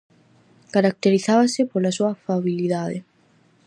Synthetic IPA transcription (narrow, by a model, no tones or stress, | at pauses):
kaɾak̚t̪eɾiθaβasɪpolasuɐfaβiliðaðḛ